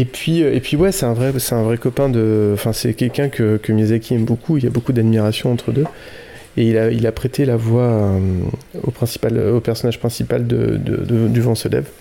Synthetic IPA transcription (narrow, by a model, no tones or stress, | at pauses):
epɥiøepɥiwɛsɛt̪ɛ̃vʁɛsɛt̪ɛ̃vʁɛkɔpɛ̃d̪əɑ̃fɛ̃sɛkʲɛlkʲɛ̃kəkəmjazakʲiɛmbokʰuilabokud̪ad̪miʁasjɔ̃ɑ̃t̪χəd̪ø | eilailapχet̪ʰelavwaømo̰pχɛ̃si̥pal̰opɛʁsɔnaʒpχɛ̃sipald̪ə̰d̪ə̰d̪əd̪yvɑ̃sɔlɛ̰b